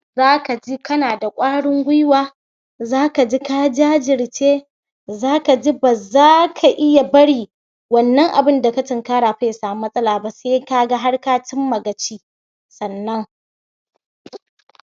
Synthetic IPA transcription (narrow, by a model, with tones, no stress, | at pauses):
zaː˦ka˨d͡ʒi˦kɐ˦naː˨da˨kʷʼaː˦ɽɪ˦ŋɡʷʊ˦jwaː˦ | zaː˦ka˨d͡ʒi˦ka˦d͡ʒaː˦d͡ʒɪ˨ɽt͡ʃeː˦ | zaː˦ka˨d͡ʒi˦ba˨zaː˦kʰa˨ʔɪ˦ja˨bɐ˦ɽiː˨ | wɐ˨nːɐ˦ŋʔa˨bɪ˦nda˨ka˦tɪ˨ŋkaː˦ɽaː˨ɸa˦jsaː˨m˦mːɐ˦sʼɐ˦laː˨ba˦se˦ka˦ɡa˦ɦa˦ɽkaː˦tɪ˦mːɐ˨ɡɐ˨t͡ʃiː˦ | sɐ˨nːɐ˦ŋ